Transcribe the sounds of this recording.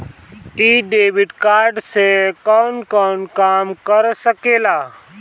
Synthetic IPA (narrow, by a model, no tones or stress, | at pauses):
iːɖeːʋɪɖkaːɾɖsekɔːnkɔːnkaːmkəɾsəkeːlaː